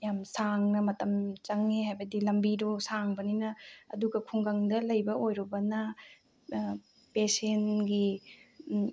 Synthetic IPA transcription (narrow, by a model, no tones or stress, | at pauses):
jamsaŋnɐmɐtɐmt͡ʃɐŋeɦajbɐdilɐmbiɾosaŋbɐninɐːduɡɐkʰuŋɡaŋdɐlɐjbɐojɾubɐnɐ | pesenɡi